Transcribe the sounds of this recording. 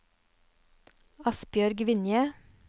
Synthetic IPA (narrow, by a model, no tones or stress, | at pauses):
ɑspjœɾɡʋɪnjə